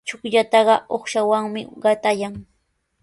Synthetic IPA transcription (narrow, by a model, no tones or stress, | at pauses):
t͡ʃʊkʎat̪ɑɢɑoχʃawaŋmɪ̰ɢɑt̪ajaŋ